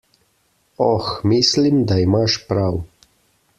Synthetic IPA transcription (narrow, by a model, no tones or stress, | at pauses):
ɔxmiːslimd̪aimaʃpɾaw